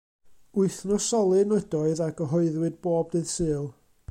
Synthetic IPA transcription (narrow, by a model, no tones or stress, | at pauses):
ʊɨθnɔsɔlˠɨnədɔɨðaɡəɦɔɨðwɨd̚b̥oːb̚dɨðsɨːlˠ